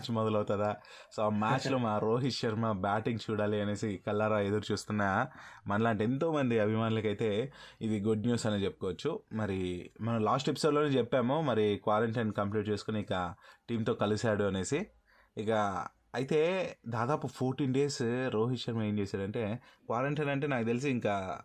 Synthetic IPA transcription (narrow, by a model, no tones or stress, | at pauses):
t͡ʃmɔd̪ɐlɐwt̪aːd̪aː | soːmaːt͡ʃloːmaːɾoːɦiʃɐɾmɐbaːʈiŋɡt͡ʃuːɽaːliɐne̞ːsikɐlːaːɾaːed̪ɐɾut͡ʃuːst̪unːaːmɐnɐlaːɳʈie̞nt̪o̞ːmɐnd̪iɐbʱimaːnulɐkɐjt̪e̞ːid̪iɡuɖnjuːsɐneːt͡ʃepːukɔːʋɐt͡ʃːumɐɾimɐnɐmlaːsʈepi̥so̞ːɖloːneːt͡ʃɛpːaːmumɐɾikʋaːɾeɳʈɐnkɐmpliːʈ̚t͡ʃe̞ːsu̥kuniikɐʈiːmt̪o̞ːkɐlisaːɽuɐne̞ːsiː | kɐ | ɐjit̪e̞ːd̪aːd̪aːpupʰoːɾʈiːnɖe̞ːsɾoːɦiʃɐɾmɐeːnt͡ʃeːsaːɽɐɳʈe̞ːkʋaːɾeɳʈɐjnɐɳʈ̬e̞ːnaːkut̪̬elis̬iiŋkaː